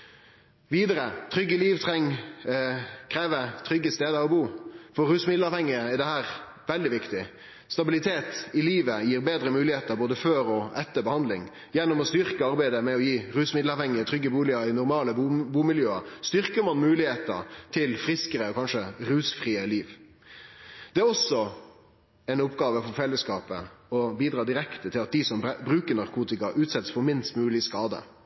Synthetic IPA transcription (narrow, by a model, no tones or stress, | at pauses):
ʋiːd̪əɾət̪ʰɾʏɡːəliːʋt̪ʰɾɛŋ | kʰɾeːʋəɾt̪ʰɾʏɡːəst̪eːd̪əɔbuːfɔɾʉːsmɪd̪l̩ɑːʋhɛŋːɪəæd̪ɛhæːɾ | ʋɛld̪ɪʋɪkt̪ɪ | st̪ɑbɪlɪt̪ʰeːt̪ɪliːʋəjiːɾbeːd̪ɾəmʉːlɪheːt̪əɾboːd̪əføːɾɔɛt̪ːəɾbəhɑnd̪lɪŋ | jɛnːɔmɔst̪ʏɾkəɑɾbæɪd̪əmɛɔjiːɾʉːsmɪd̪l̩ɑʋhɛŋːəɾt̪ʰɾʏɡːəbuːlɪɑɾɪnʊɾmɑːləbuːmɪljøːəst̪ʏɾkəɾmɑnmʉːlɪheːt̪ə̰ɾt̪ʰɪlfɾɪskəɾəɔkʰɑnʂəɾʉːsfʁiːəliːʋ | d̪̥ɛæɾɔsɔ | ɛɪnʊpɡɑːʋəfɔɾfɛlːəskɑːpə̰ɔbiːd̪ɾɑːd̪ɪɾɛkt̪ət̪ʰɪlɑt̪̚d̪ɪsɔmbɾʉːkəɾnɑɾkʰuːt̪ɪkɑʔʉːt̪sɛt̪sfɔɾmɪnst̪mʉːlɪskɑːd̪ə̰